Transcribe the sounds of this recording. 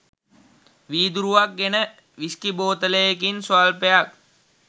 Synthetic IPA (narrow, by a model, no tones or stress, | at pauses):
ʋiːd̪uɾuʋak̚ɡenə | ʋiskiboːt̪ələjekinsoalpejak̚